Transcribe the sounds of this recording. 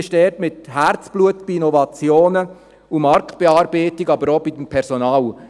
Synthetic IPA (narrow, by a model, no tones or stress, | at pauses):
ʃdɛtmɪtɦært͡sb̥luətb̥iinɔvɑt͡sjoːnə | umɑɾkt̚b̥ɛɑːɾbeːtiɡɑbəɾob̥id̥̪əmpʰɛɾsɔnɑːl